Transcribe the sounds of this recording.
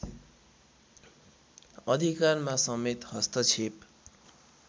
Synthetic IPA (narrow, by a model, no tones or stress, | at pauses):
ʌd̪ʱikarmasʌmet̪ɦʌst̪ʌt͡sʰep